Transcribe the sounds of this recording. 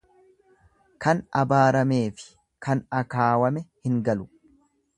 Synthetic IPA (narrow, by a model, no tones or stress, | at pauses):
kɐnɐbaːɾɐme̞ːfɪ̥ | kʰɐnɐkaːwɐmɛhɪŋɡɐlʊ̥